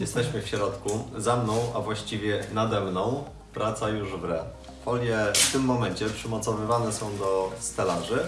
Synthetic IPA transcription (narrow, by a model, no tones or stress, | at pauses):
jɛst̪ɛɕmɘfɕɾɔt̪kuzamnɔ̃w̃ʔavwaɕt͡ɕivʲjɛnad̪ɛmnɔ̃w̃ | pɾʔat̪sajuʐvɾɛ | fɔlʲjɛft̪ɘmːɔmɛnɲt͡ɕɛpʂɘmɔt̪sɔvɘvanɛsɔ̃w̃d̪ɔst̪ɛlaʐɘ